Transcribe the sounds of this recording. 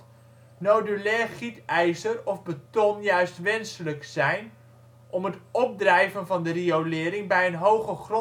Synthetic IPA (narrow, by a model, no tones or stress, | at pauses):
nowdylɛːχitɛjzərɔvbətɔnjœɥstʋɛnsələksɛjn | ʔɔmɦətɔp̚drɛjvənvɑndəriowlɪːɾɪŋbɛjənɦowχəχrɔ